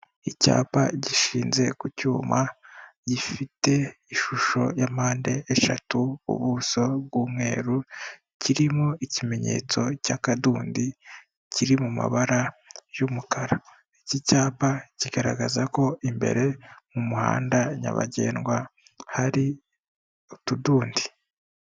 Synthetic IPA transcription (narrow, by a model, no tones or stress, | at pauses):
ica̰ːpaɟiʃiːnze̞kucuːmaɟifite̞iʃuʃo̞̰jamaːnde̞ːʃatuṵβuso̞bɡuːmŋe̞ːɾu | ciɾimoicime̞ɲe̞̰ːt͡so̞cakaduːndi | ciɾimuma̰βaɾajumukaɾa | icicaːpaciɡaɾa̰ɡazako̞ʔimbe̞̰ɾe̞mumuha̰ːndaɲa̰βa̰ɟe̞̰ːnɡwa | haɾi | otuduːndi